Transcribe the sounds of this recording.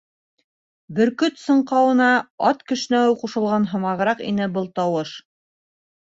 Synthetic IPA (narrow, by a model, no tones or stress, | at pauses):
bɘ̆ɾkɵt̪sɤ̆ɴqɑwɤ̆nɑɑt̪kɵ̆ʃ̆næwquʃɤ̆lˠʁɑnɦɤ̆mɑʁɤ̆ɾɑqḭnɘbɤlˠt̪ɑwɤʃ